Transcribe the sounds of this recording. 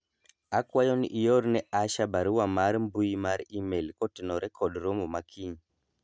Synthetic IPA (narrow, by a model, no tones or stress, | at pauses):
akwajɔnḭʔijɔɾinɛʔaʃabaɾuwamaɾimbuimaɾiimelikɔtinɔɾɛkʰɔdɾomumakʰiɲi